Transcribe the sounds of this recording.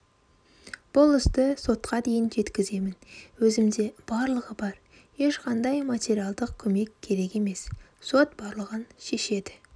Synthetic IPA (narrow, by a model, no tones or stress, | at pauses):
b̥ʊlˠɪsd̪əso̞t̪qʰɑd̪e̞jɪnʒe̞t̪kʲɪze̞mɪnwɵzɪmd̪e̞b̥ɑɾlˠəʁəbɑɾ | je̞ʃqʰɑnd̪ɑjmat̪ʲe̞ɾialˠd̪əq̚kʲʰɵme̞kʲʰːe̞ɾe̞ke̞me̞sso̞t̪̚bɑɾlˠəʁənʃe̞ʃe̞d̪ɪ